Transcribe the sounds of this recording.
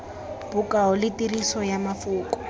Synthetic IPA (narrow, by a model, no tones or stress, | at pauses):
b̥ʊkaʊlɪtirisɔjamafuːkʼɔ̥